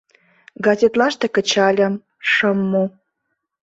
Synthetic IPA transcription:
ɡɑzʲet̪lɑʃt̪ĕkə̆t͡ɕɑlʲə̆m | ʃə̆mːo

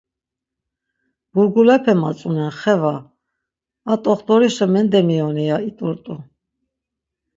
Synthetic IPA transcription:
b̥uɾɡulɛpʰɛmat͡sʼunɛnχɛva | t̪ʼɔχt̪ʼɔɾisəmɛnd̪ɛmiɔnɛjait̪ʼɔɾt̪ʼu

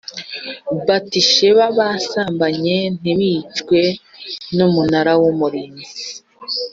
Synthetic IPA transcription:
batiʃeβaβasaːmbaɲe̞n̥iβit͡ʃkwe̞numunaɾawomuɾini

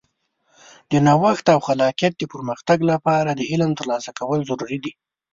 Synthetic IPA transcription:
d̪ənɑwaxt̪awxalɑqijat̪̚d̪əpəɾməxt̪aɡlapɑɾad̪əɪlmt̪əɾlɑsakawəlzaɾuɾid̪i

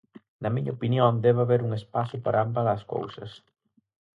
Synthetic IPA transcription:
nɐmiɲɐopinjond̪ɛβaβeɾuŋespasʊpaɾaambaðɐsko̰wsɐ̰s

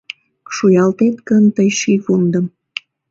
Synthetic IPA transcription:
ʃujɑlt̪et̪kənt̪əjʃikund̪əm

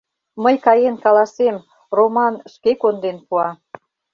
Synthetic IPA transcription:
məjkɑjenkɑlɑsem | romɑnʃkekond̪enpuɑ

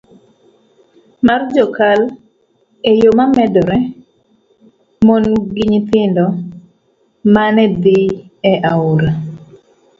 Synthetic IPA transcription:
mard͡ʒɔkal | ejomamɛdɔɾɛ | monɡiɲt̪ɪndɔ | manɛd̪iɛʔaʊɾa

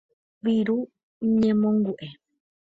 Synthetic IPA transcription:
βiɾu | ɲẽmõŋɡuʔe

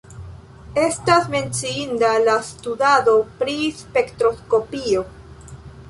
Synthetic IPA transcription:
e̞stasme̞nt͡siindalastudado̞pɾispe̞ktɾo̞sko̞pio̞

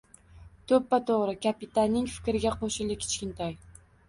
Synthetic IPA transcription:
t̪ʰɵpːat̪ʰoʁɾɪkʰapɪt̪ʰanːɪŋfɪ̥kʲɾɪɡʲaqʰoʃɪlɪkʲʰɪ̥t͡ʃkʲɪnt̪ʰaj

